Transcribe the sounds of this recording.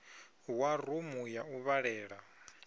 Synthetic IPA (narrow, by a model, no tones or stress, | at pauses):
warumujauβaɺɛːɺa